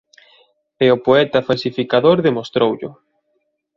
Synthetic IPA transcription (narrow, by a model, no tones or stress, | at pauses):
eʊpoɛt̪ɐfalsifikaðoɾðemost̪ɾowʎʊ̰